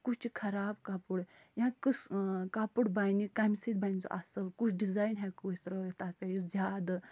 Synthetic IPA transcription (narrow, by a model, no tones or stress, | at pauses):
kut͡ʃt͡ʃikʰɐɾaːbkapuɽjãkɨskapuɽbajnikamisit̪̚bajnt͡sɔ̰ʔa̰səlkut͡ʃʰɖizaːjnɦɛkosɾot̪apʲejuzʲjaːd̪ɐ